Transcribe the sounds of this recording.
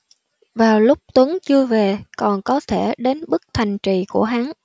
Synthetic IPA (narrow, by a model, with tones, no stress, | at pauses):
vaː˨˩wlʊ˦˥k͡p̚t̪wə˨˦ŋt͡ɕɨ˧əve˨˩kɔ˨˩nkɔ˨˦t̪ʰe˧˩ɗe˨˦nɓɨ˦˥k̚t̪ʰa˨˩jŋ̟t͡ɕi˨˩ku˧˩əɦa˨˦n